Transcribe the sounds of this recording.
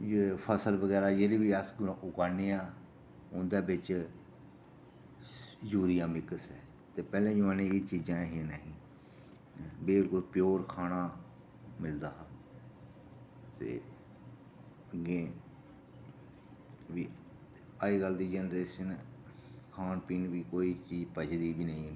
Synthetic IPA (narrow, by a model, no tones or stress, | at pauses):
jepʰəsəlbəɡɛːɾaːd͡ʒeɾiːbiːəsɡʔʊkaːniːãː | ʊ̃ːnd̪eːbɪt͡ʃ | d͡ʒuːɾijãːmɪkəsɛː | t̪eːpɛːlẽːd͡ʒʊaːnẽːeːt͡ʃiːd͡ʒãːɦinaɦĩː | beːlkʊlpɪjoːɾkʰaːnaː | mɪld̪aː | t̪ḛː | əɡẽː | ʋiː | aːiːɡəld̪iːd͡ʒɛːnɾeːʃən | kʰaːnpiːnʋiːkoːiːt͡ʃiːd͡ʒpət͡ʃd̪iːbiːnəĩ